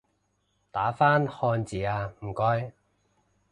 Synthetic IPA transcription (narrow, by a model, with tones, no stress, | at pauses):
t̪aː˨˥faː˥nhɔː˧nt͡siː˨˩aː˧m̩˨˩kɔː˧˥j